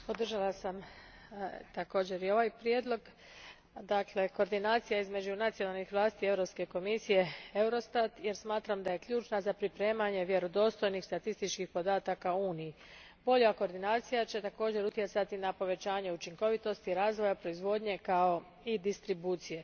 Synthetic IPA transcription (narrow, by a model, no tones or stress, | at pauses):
po̞d̪r̩ʒalasam | t̪ako̞ːd͡ʑe̞ɾio̞ʋajpɾjeːd̪lˠo̞ɡ | d̪akle̞ko̞ːɾd̪inaːt̪sijaizme̞d͡ʑunat̪sionalnixʋlˠaːst̪ie̞wɾo̞pske̞ko̞misije̞e̞wɾo̞st̪at̪je̞ɾsmaːt̪ɾamd̪aje̞kʎuːt͡ʃnazapɾipɾe̞ːmaɲe̞ʋje̞ɾo̞d̪o̞st̪o̞jnixst̪at̪ist̪it͡ʃkixpo̞d̪aːt̪akauːniji | bo̞ʎako̞ːɾd̪inaːt̪sijat͡ɕe̞t̪ako̞ːd͡ʑe̞ɾut̪je̞t̪sat̪inapo̞ʋe̞t͡ɕaːɲe̞ut͡ʃiŋko̞ʋit̪o̞st̪iiɾaːzʋo̞japɾo̞izʋo̞ːd̪ɲe̞kao̞ | id̪ist̪ɾibuːt̪sije̞